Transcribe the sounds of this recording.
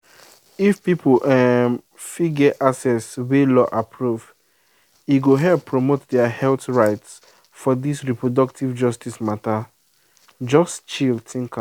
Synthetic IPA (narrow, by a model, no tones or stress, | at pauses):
ifpipoʔɛm | fiɡɛʔasɛswelɔʔapʰɹuv | iɡoɦɛlpːɹomotdɛahɛltɹaɪts | fɔdisɹipʰɹodɔk̚tivd͡ʒɔstismata | d͡ʒɔstt͡ʃiltʰĩŋkã